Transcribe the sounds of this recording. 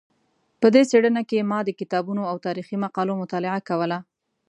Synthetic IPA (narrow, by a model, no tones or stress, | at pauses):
pəd̪eseɽənakemɑd̪əkɪt̪ɑbunoawt̪ɑɾiximaqɑlomʊt̪ɑlɪʕakawəla